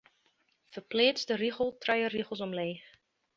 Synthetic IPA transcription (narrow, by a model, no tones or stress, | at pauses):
fərpleːt͡sdəriɣəl̩ˠtrɛjəriχəlˠsɔmleːx